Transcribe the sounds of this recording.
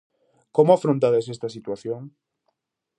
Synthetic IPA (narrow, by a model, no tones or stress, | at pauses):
komoafɾõnt̪aðes̬est̪ɐsit̪waθjõŋ